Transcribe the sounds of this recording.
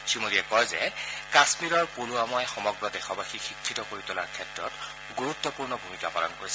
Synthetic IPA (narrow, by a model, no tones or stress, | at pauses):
simodiɛkɔjzɛ̰kasmiɹɔɹpuluamɔjxɔmɔɡɹɔdexɔbaxixikʰːitɔkoɹitʊla̰ɹkʰɛtɹɔ̰t | ɡuɹut̪ːɔpuɹnɔbʱumikapalɔ̰nkoɹisɛ